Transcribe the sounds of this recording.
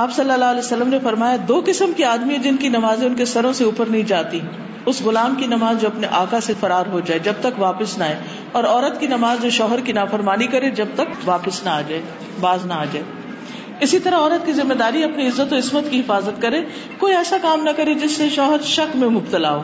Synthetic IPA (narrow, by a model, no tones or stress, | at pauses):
aːpsɐlːəlːaːɦəlɛːsɐlːəmnefɐɾmaːjad̪oːkɪsəmkiaːd̪miãd͡ʒɪnkinɐmaːzẽʊnkesɐɾõseuːpəɾnɐɦĩd͡ʒaːt̪ĩ | ʊsɣʊlaːmkinɐmaːzd͡ʒoːɐpneʔaːkasefɐɾaːɾɦod͡ʒaːed͡ʒɐb̚t̪ɐkʋaːpəsnaːeː | ɔːɾɔːɾət̪kinɐmaːzd͡ʒoːʃɔːɦəɾkinaːfɐɾmaːnikɐɾed͡ʒɐb̚t̪ɐkʋaːpəsnaaːd͡ʒaːe | baːznaaːd͡ʒaːe | ɪsit̪ɐɾaɔːɾət̪̚kizɪmːed̪aːɾiɐpniɪzːət̪oɪsmət̪kiɦɪfaːzət̪kɐɾẽː | koːiɛːsakaːmnɐkɐɾed͡ʒɪsːeʃɔːɦəɾʃɐkmẽmʊbt̪əlaːɦoː